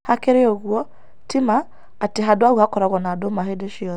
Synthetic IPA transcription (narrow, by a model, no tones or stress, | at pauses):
hakeɾeoɣwɔ | timaː | teɦadwaɣuakɔɾaɣɔnadomaɦedeʃiɔ